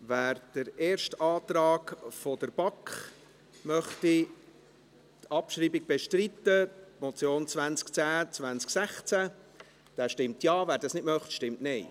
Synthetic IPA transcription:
væːɾd̥əɾeːɾʃtɑːt̪rɑːɡfod̥əɾb̥ɑkχ | mœχti | tʰɑpʃriːbiɡ̚b̥eʃtrit̪ːətmɔt͡sjoːnt͡svænt͡skt͡sæːt͡svænt͡sksæχt͡sæ | d̥æːʃtɪmt̪jɑːvæːɾdɑsnɪdmœχtʃtɪmtnɛɪ

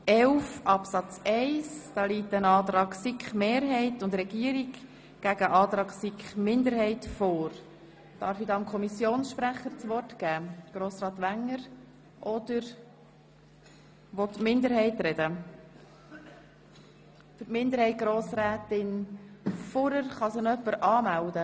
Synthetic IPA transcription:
ɛʊfʔɑpsɑt͡sɛɪsd̥ɑːliːtːənɑːt̪ɾɑːksikχmeːɾɦɛɪtʊndɾɛɡ̥iːəɾiɡ | ɡ̥æɡ̥əʔɑːt̪ɾɑːksikχmɪndəɾhɛɪtfoːɾ | d̥ɑɾfidɑːɑmkʰɔmisjoːnsʃpɾæχəɾt͡sʋɔɾtɡæːɡ̥ɾoːsɾɑːt̪ʋæŋːəɾ | ʔɔd̪̥əɾ | ʋɔt̪mɪndəɾhɛɪtɾɛd̥ə | fʏɾtmɪnd̪əɾhɛɪt̚ɡ̥ɾoːsɾæːtɪn | fɔɾəɾχɑsənœpːəɾɑːmældə

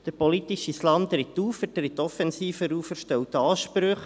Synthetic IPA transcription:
d̥əɾpɔlit̪iʃislɑmt̪ɾɪt̪ːuːfətɾɪt̪ːɔfɛnsiːfəɾuːfəɾʃtɛwt̪ɑːʃpɾɵχ

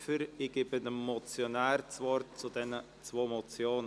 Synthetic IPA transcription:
fəɾɪɡ̥ɪbədəmɔt͡sjonæːɾt͡svɔɾt̚t͡sud̥ɛnə | t͡svoːmot͡sjoːn

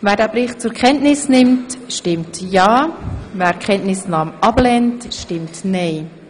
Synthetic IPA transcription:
vɛːɾdæːbɾɪχtt͡sʊɾkχɛntnɪsnɪmtʃtɪmtjɑːvɛːɾkʰχɛntnɪsnaːmʔɑblɛntʃtɪmtnɛɪ

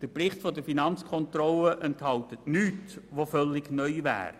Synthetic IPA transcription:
d̥əprɪχtfɔdəfinɑnt͡skʰɔntrɔləʔɛnthɑlt̪ətnyːtʋofœlːɪɡnœʏʋæ̰ːɾ

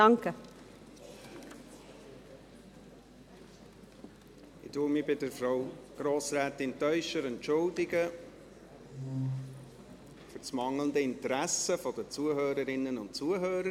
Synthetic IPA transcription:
ɑŋkə | ɪtuəmɪbɪdəɾfɾaʊɡ̥ɾoːsɾæːt̪ɪntœʏʃəɾɛnt͡ʃʊldɪɡə | fʏt͡smɑŋləndəɪntəɾæsəfɔdət͡suəɦøːɾəɾɪnːənʊntt͡suəɦøːɾə

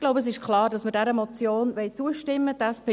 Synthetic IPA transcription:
ɡ̥loʊbəəs̬ɪʃklɑːɾdɑsməɾdɛɾəmɔt͡sjoːnvɛɪt͡suəʃtɪmːədɛspe

